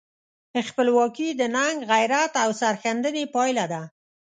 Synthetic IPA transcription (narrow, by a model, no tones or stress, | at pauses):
əxpəlwɑkid̪ənaŋɡɣajɾat̪awsaɾxand̪ənepɑjlad̪a